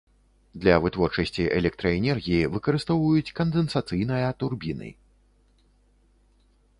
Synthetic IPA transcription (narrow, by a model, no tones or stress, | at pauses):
d̪lʲɐvɨt̪vɔrt͡ʂɐsʲt͡sʲiʔɛ̰lʲɛk̚t̪ɾɐɛnʲɛrɣʲijivɨkɐɾɨst̪ɔwvɐjut͡sʲkɐnd̪ɨnsat̪sɨjnɐjɐt̪urbʲinɨ̰